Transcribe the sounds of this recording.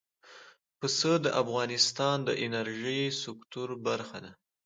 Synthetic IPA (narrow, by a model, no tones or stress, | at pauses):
pəsəd̪əʔafɣɑnɪst̪ɑnd̪əʔɪnaɾʒijsʊkt̪uɾbaɾxad̪a